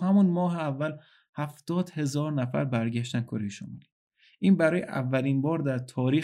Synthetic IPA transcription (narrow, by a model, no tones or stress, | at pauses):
hæmunmɒːɦeævːæl | hæft̪ɒːd̪̥he̞zɒːɾnæfæ̰ɾbæɾɟæʃt̪ænkʰoɾejeʃṵnmḭli | ʔiːnbæɾɒːjeʔæ̰vːælinbɒːɾd̪æɾt̪ʰɒːɾiː